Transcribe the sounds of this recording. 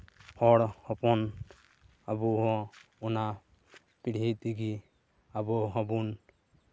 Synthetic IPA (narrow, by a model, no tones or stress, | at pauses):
hɔɽhɔpɔn | abuɦɔɔna | piɽ̤it̪iɡi | abɔɦɔbun